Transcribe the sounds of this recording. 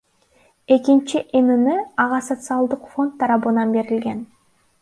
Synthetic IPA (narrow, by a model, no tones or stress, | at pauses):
e̞kint͡ʃiʔenɯnɯɑʁɑsot̪sɨɑlˠd̪ɯqfo̞nt̪ʰːɑɾɑβɯnɑnbe̞ɾilɡe̞n